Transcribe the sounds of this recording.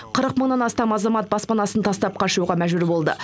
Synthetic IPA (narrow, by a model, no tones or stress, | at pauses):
qʰəɾəqməɴnɑnɑst̪ɑmɑzɑmɑt̪̚bɑspɑnɑsənt̪ʰɑst̪ɑp̚qʰɑʃuʁɑmæʒbʉɾbo̞lˠd̪ə̰